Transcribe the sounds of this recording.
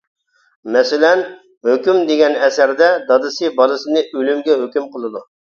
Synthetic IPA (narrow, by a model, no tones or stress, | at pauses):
mɛsɪlɛn | høkʲymd̪eɡʲɛnɛsæɾd̪ɛd̪ɑd̪ɨsɨbɑlˠɨsɨnɨʔølymɡʲɛɦøkʲymqʰəlˠɨd̪u